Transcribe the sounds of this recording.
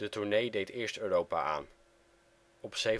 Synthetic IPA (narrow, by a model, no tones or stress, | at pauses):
d̥ətuɹnejdejtɪːɹstøːrowpa̰ʔa̰ːn | ɔpsej